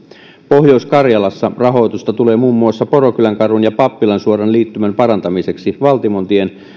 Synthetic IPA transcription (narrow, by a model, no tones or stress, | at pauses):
pohjouskɑrjɑlɑsːɑrɑɦo̞jt̪ust̪ɑt̪ule̞ːmuːmːuɑsːɑpo̞rokylæŋkɑrunjɑpɑpːilɑnsuoɾɑnliːt̪ːymæmpɑɾɑnt̪ɑmise̞ksiʋɑlt̪imont̪ien